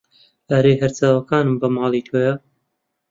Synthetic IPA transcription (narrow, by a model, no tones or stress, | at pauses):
ʔɐɾeːɦɐɾt͡saːwɐkaːnɨmbɐmɑːlˠiːt̪ʰoːja